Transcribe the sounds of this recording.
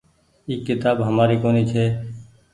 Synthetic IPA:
iːkːɪt̪aːbɦəmaːɾiːkoːniːt͡ʃʰeː

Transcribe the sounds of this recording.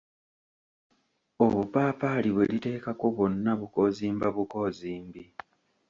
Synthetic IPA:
o̞βupaːpaliβwelite̞ːkakoβo̞nːaβuko̞ziːmbaβuko̞ziːmbi

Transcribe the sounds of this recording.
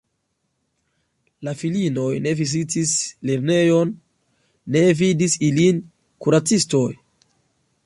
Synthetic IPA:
lafilino̞jne̞vizitisle̞ɾne̞jo̞nː | e̞vidisilin | kuɾat͡sisto̞j

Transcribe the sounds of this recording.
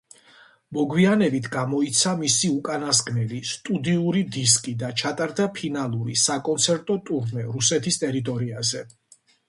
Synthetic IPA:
mɔɡwianɛbit̪ʰɡamɔit̪sʰamisiukʼanasɡnɛlist̪ʼud̪iuɾid̪is̬kʼid̪at͡ʃʰat̪ʼaɾd̪apʰinalˠuɾisakʼɔnt̪sʰɛɾt̪ʼɔt̪ʼuɾmɛɾusɛt̪ʰist̪ʼɛɾit̪ʼɔɾiazɛ

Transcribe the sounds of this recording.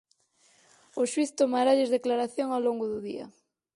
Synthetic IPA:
ʊʃwiθt̪omaɾaʎezðeklaɾaθjoŋawloŋɡʊðʊðia̰

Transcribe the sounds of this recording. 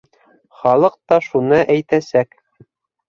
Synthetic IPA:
χɑlˠɤq̚t̪ɑʃunɤʔæjt̪æsæk

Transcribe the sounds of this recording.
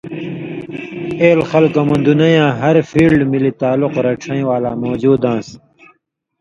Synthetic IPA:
eːlxɐlkomɐ̃nd̪unɐjãːɦɐɾfiːlɖmilit̪aːluqɾɐʈ͡ʂʰɐ̃ĩwaːlaːmoːd͡ʑuːd̪ãːs

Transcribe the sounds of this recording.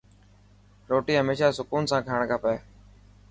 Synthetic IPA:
ɾoːʈiːɦəmeːʃaːsʊkuːnsãːkʰaːɳkaːpeː

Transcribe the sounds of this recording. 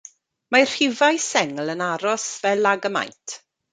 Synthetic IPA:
mar̥ɪvajsɛŋlənaɾɔsvɛlaɡəma̰jntʰ

